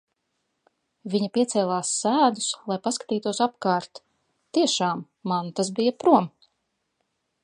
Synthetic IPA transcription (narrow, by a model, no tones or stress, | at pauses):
vʲiɲapiɛt̪sɛːlˠaːsːæːd̪uslˠajpaskḁt̪iːt̪uɔsapkaːɾt̪ː | iɛʃaːmːant̪asbijapɾuɔm